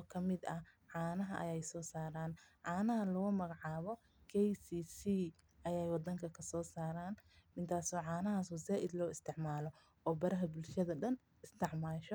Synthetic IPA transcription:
ɔkʰɐmɪd̪ɐ | ʕaːnɐɦɐʔɐ̰jɛjsɔːsaːɾaːnʕaːnɐɦɐlʊɣʊmɐɣɐʕaːβɔ | kʰɛjsiːsiː | ʔɐjɛjwɑd̪ɐŋkʰɐkʰɐsɔːsaːɾaːnmɪnt̪ʰaːsɔːʕaːnɐɦaːsuːsaːʔɪd̪lɔːɪst̪ʰɪʕmaːlɔ | ɔːbɐɾɐɦɐbʊlʃɐðɐɖɐn | ɪst̪ʰɪʕmaːʃɔ

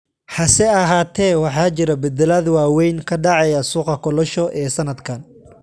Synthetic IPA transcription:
ħɑsɛɐɦaːt̪ʰɛːwɑħɑːt͡ʃɪɾɐbɛd̪ɛlɐðwaːwɛjnkʰɐɖɑʕɛjɐsuːqɐkʰɔlɔʃɔʔɛːsɐnɐd̪kʰɐn

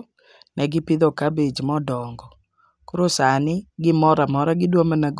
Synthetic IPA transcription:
nɛɡɪpɪd̪ɔkabed͡ʒmɔdɔŋɡɔ | kʊɾosanɪɡɪmɔɾamɔɾaɡɪdwomanɛɡ

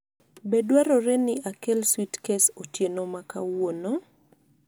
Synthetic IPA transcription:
bedwaɾɔɾenɪakelswitkesotjenomaka̰wono

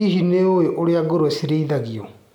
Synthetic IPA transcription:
iɦineoeʔoɾeaɡoɾosiɾeiðaɣiɔ

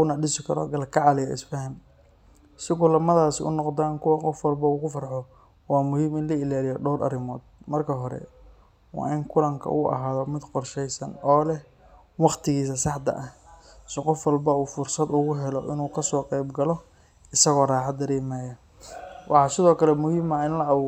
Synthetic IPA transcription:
ʊnɐɖɪsɪkʰɐɾɔ̰ɡɐlkʰɑʕɑlɪjɐʔɪ̰sbɛɦɪm | sɪɡʊlɐmɐðaːsɪʊ̰nɔqd̪aːnkʰʊwɑqɔfwɐlbɐuːkʊfɐrħɔ | waːmʊhiːmɪnlɐɪlaːlɪjɔɖɔwɾʔɐ̰ɾɪmɔːd̪̚mɐrkʰɐɦɔɾɛ̰ | wɑ̰ːɪŋkʰʊlɐŋkʰɐ̰ʔuːʔɐ̰ɦaːðɔmɪd̪qɔrʃɛjsɐnɔːlɛ | wɑqt̪ʰɪɣiːs̬ɐsɑħt̪ɐ̰ʔɐ | sɪqɔfwɐlbɐuːfʊrsɐd̪ʊɣʊɦɛlɔʔɪnuːkʰɐsɔːqɛjbɡɐlɔ | ɪsɐɣɔːraːħɑd̪ɐɾɛːmɛːjɐ | wɑħɑːsɪðɔːkʰɐlɛmʊhiːmɐɪnlɐɐʊː

